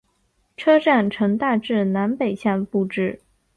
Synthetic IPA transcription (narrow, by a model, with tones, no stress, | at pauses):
ʈ͡ʂʰɤ˥ʈ͡ʂa˥˩nʈ͡ʂʰɤ˧˥ŋt̪a˥˧ʈ͡ʂɻ̩˥˩na˧˥npe˨˩ɪɕja˥˩npu˥˧ʈ͡ʂɻ̩˥˩